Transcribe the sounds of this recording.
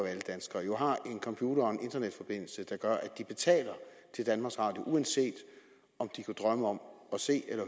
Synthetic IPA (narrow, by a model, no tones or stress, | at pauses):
æləd̥ænsɡ̥ɐːjo̝ɦɑ̈ʔe̝nkʰɒ̽mpʰjuːɾɐɒenʔe̝nd̥ɐned̥fɒ̽b̥e̝n̰l̩səd̥ɑ̈ɡ̥ɶɐʔæd̥ib̥e̝t͡sʰɛ̰ːlɐ | t͡sʰe̝ld̥ænmɑ̈ɡsɑ̈ːd̥eʔuænse̝̰ːd̥ | ɒ̽md̥ikʰud̥ʁɶməɒ̽mɒ̽se̝̰ːelɐ